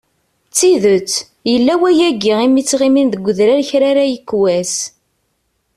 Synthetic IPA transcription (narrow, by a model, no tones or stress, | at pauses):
t͡sːiðət͡sː | jəlːæwæjæɡːiʁimit͡sːʁiminðəɡʷːəðɾæɾçɾaɾæjəkːwæs